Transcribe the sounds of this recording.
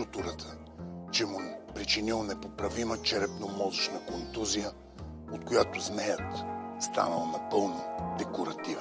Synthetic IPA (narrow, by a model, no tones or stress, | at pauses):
ut̪uɾət̪ʰə̥ | t͡ʃɛmupɾit͡ʃinilˠnɛpopɾɐvimət͡ʃɛɾɛpnomɔzʊʃnəkont̪uzijə | ot̪̚kojat̪ʊznɛjət̪st̪a̰nəlˠənɐpɤlˠnəd̪ɛkoɾɐt̪iv